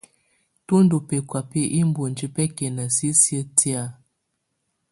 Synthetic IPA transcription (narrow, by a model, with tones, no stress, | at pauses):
tu˦n˦du˨pe˨kwa˨pe˦ʔi˦m˦bo˨nd͡ʒi˦pɛ˦kɛ˨na˨si˦si˦ə˦tʰi˦a˨